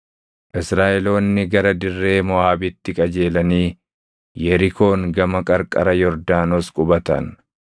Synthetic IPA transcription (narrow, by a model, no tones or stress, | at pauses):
ʔɪsɾaːʔɛlo̞ːnːɪɡɐɾɐd̪ɪrːe̞ːmɔaːbɪt̪ːɪkʼɐd͡ʒe̞ːlɐniː | jɛɾɪko̞ːŋɡɐmɐkʼɐɾkʼɐ̰ɾɐjɔɾd̪aːnoːskʼʊbɐt̪ɐ̰n